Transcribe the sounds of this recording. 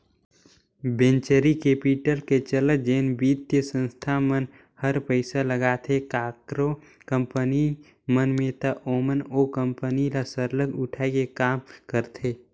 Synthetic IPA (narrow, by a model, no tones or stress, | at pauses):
bẽːnt͡ʃəɾikeːpiʈəlket͡ʃələd͡ʒeːnbiːt̪jəsə̃nst̪ʰamən | həɾpəɪsaləɡaːt̪ʰekaːkɾo | kə̃mpəni | mənmẽːt̪aʔoːmənoːkə̃mpənilasəɾləkʊʈʰaekekaːmkəɾt̪ʰeː